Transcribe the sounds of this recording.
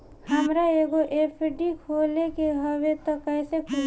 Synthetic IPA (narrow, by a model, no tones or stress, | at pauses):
həmɾaeɡoʔepʰɖikʰolekeɦəʋet̪ɔkɛːsekʰu